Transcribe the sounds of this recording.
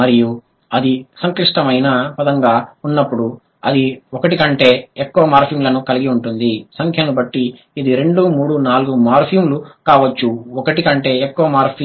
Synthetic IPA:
mɐɾiju | ɐd̪isɐŋkliʂʈɐmɐjnapɐd̪ɐŋɡaːunːɐpːuɽu | ɐd̪iɔkɐʈikɐɳʈe̞ːekːuʋɐmaːɾpʰijumlɐnukɐliɡiuɳʈund̪isɐŋkʰjɐnubɐʈːiː | d̪iɾe̞ɳɖumuːɽunaːluɡumaːɾpʰjumlukaːʋɐt͡ʃːuɔkɐʈikɐɳʈe̞ːekːuʋɐmaːɾpʰ

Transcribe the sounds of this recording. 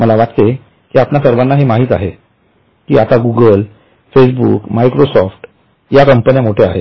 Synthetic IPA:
məlaʋat̪t̪e | kiːapnasəɾʋanːaɦemaɦiːt̪a̰ɦe | kiːat̪aɡuɡəl | fes̬bṵːkmaikɾosɔfʈ | jakəmpənijamoʈʰea̰ɦe

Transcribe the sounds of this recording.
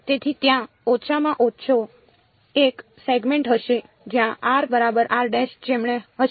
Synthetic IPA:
t̪et̪ʰit̪jã | ɔt͡ʃʰamãʔɔʃʰo | ek | seɡmeɳʈɦəʃe | d͡ʒjãʔaɾbəɾabəɾʔaɾɖeʃd͡ʒemɳ̃eɦə

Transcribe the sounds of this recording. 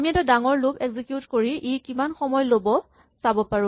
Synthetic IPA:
amiɛtɔdaŋɔɹlupɛɡzikjutkoɹiʔejkimanxɔmɔjlobɔ | sabɔpaɹʊ̃

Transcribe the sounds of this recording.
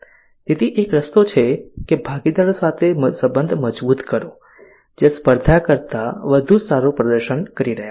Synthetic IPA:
t̪et̪ʰiʔekɾəst̪ot͡ʃʰekebʱaɡid̪aɾosat̪ʰeməsəbənd̪ʱməd͡ʒbut̪kəɾõ | d͡ʒespəɾd̪ʱakəɾt̪aʋəd̪ʱusaɾũpɾəd̪əɾʃənkəɾiɾəɦja

